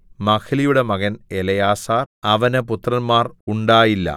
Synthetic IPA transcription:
mɐkʰɐlijuɽe̞mɐɣɐnelɐjaːsaːrɐʋɐnɨput̪rɐnmaːruɳɖaːjilːɐ̰

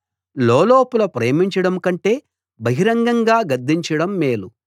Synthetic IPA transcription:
loːloːpulɐpɾeːmiɲt͡ʃɐɽɐmkɐɳʈe̞ː | bɐɦiɾɐŋɡɐŋɡaːɡɐd̪ːiɲt͡ʃɐɽɐmːeːlu

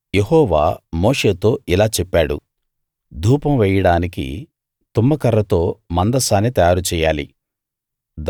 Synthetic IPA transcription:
je̞hɔːʋa̰ːmo̞ːʂe̞ːt̪o̞ːilaːt͡ʃɛpːaːɽṵ | d̪ʱuːpɐmʋɛjɐɽaːnikḭ | t̪umːɐkɐɾːɐt̪o̞ːmɐnd̪ɐsaːnːit̪ɐjaːɾut͡ʃɛːjaːlḭ | d̪

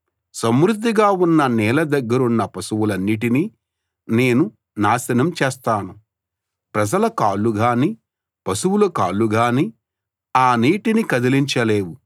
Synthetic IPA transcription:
sɐmɾud̪ʱːiɡaːunːɐnɛːlɐd̪ɐɡːɐɾunːɐpɐsuwulɐnːiʈ̬ini | ne̞ːnu | naːsɐnɐmt͡ʃɛːst̪aːnu | pɾɐd͡ʒɐlɐkaːlːuɡaːni | pɐsuwulɐkaːlːuɡaːni | aːniːʈinikɐd̪iliɲt͡ʃɐleːwu

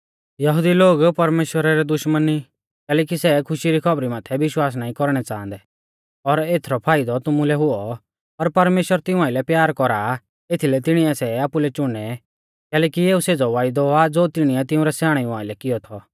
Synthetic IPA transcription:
jɐɦʊd̪iloːɡpɐɾmeːʃwəɾaɾɛd̪ʊʃməni | kɛːlɛːk̬isɛkʰʊʃiɾikʰɐbɾimaːt̪ʰɛʋɪʃwaːs̬naːĩkɔɾɽ̃ɛt͡sãːnd̪ɛ | ɔɾeːt̪ʰɾɔpʰaːɪd̪ɔt̪ʊmulɛɦʊɔ | pɐɾpɐɾmeːʃwəɾt̪ɪ̃ũaːɪlɛpjaːɾkɔɾa | et̪ʰilɛt̪ɪɽ̃iɛsɛaːpulɛt͡ʃʊɽ̃ɛ | kɛːlɛːkieːuseːd͡zɔʋaːɪd̪ɔad͡zoːt̪ɪɽ̃iɛt̪ɪũɾɛsaːɽ̃ɛũaːɪlɛkɪjɔt̪ʰɔ

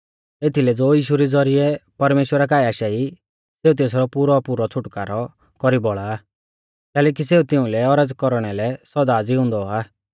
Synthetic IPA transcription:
eːt̪ʰilɛd͡zoːiːʃuɾid͡zɔɾiɛpɐɾmeːʃwəɾak̬aːiaːʃai | seːut̪eːs̬ɾɔpuːɾɔpuɾɔt͡sʰʊʈkaːɾɔ | kɔɾibɔɭaː | kɛːlɛːk̬iseːut̪ɪũlɛɔɾəd͡zkɔɾɽ̃ɛlɛsɔd̪ad͡ziɦʊ̃nd̪ɔa

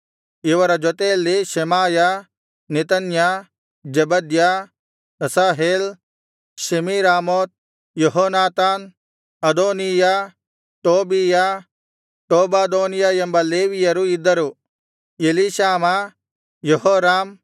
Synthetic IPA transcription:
iʋɐɾɐd͡ʒɔt̪eːlːiʃemaːja | nɪt̪ɐnja | d͡ʒɐbɐd̪ja | ɐsaːɦeːl | ʃimiɾaːmoːt̪̚ | jɐɦoːnaːt̪aːn | ɐd̪oːnija | ʈoːbija | ʈoːbaːd̪oːnijajɐmbɐleːʋijɐɾuɪd̪ːɐɾu | jeliʃaːma | jɐɦoːɾaːm

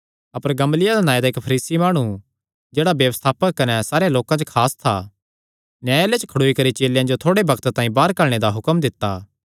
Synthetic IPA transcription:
ɐpəɾɡɐmlɪjad̪anãːed̪aɪkpʰɐɾiːsimaːɽ̃u | d͡ʒeːɽabjɐʋəst̪ʰaːpəkːɐnɛsaːɾejãloːkãd͡ʒokʰaːst̪ʰa̰ | njaːjlet͡ʃkʰɐɽoːikɐɾit͡ʃeːljãd͡ʒot̪ʰoːɽebɐkt̪t̪ãːĩbaːɾkɐɾɽ̃ed̪aɦʊkəmd̪ɪt̪ːaː

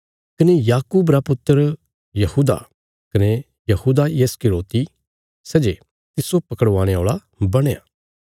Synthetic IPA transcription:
kɐnejaːkuːbɾapʊt̪ːəɾ | jɐhuːd̪a̰ | kɐne | jɐhuːd̪ajeskɪloːt̪i | sɛd͡ʒe | t̪ɪsopɐkəɽʋãːɽ̃eo̰ːɭa | bɐɽ̃ea̰

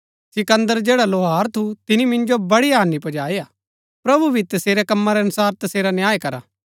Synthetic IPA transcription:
sɪkɐ̃nd̪əɾd͡ʒeːɽaloːɦaːɾt̪ʰut̪ɪnimɪ̃nd͡ʒobɐɽiaːnipɐd͡ʒaːijaː | pɾɐbubʱit̪ɐseːɾɛkɐmːaɾɛɐnʊsaːɾt̪ɐseːɾanjaːekɐɾa̰ː

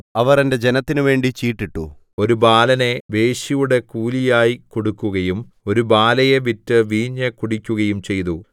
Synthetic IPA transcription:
ɐʋɐrende̞d͡ʑe̞nɐt̪ːinuʋe̞ːɳɖit͡ɕiːʈːiʈːṵ | o̞ɾubaːlɐne̞ʋe̞ːɕijuɽe̞kuːlijaːjikoɽukːuɣɐjum | o̞ɾubaːlɐjeʋitːɨʋiːɲːɐkuɽikʲːuɣɐjumt͡ɕe̞jt̪u

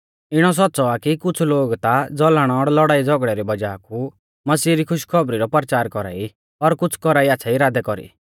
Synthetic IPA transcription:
ɪɽ̃ɔs̬ɔtːsɔakikʊt͡sʰloːɡt̪ad͡zɔlaɽ̃ɔɔɽlɔɽaːid͡zɔɡɽɛɾibɐd͡ʒaːku | mɐsiːɾikʰʊʃkʰɔbɾiɾɔpɐɾt͡ʃaːɾkɔɾa̰ːi | ɔɾkʊt͡sʰkɔɾaːiaːsʰaiɾaːd̪ɛkɔɾḭ

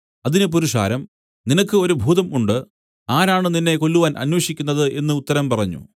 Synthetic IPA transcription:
ɐðinɨp̬uɾuʂa̰ːɾɐm | ninɐkːɨo̞ɾubʱuːðɐmuɳɖɨ | aːɾaːɳɨninːe̞ko̞lːuʋaːnʔɐ̰nwɐʂikʲːunːɐðɨʔe̞nːɨut̪ːɐɾɐmpɐrɐɲːṵ

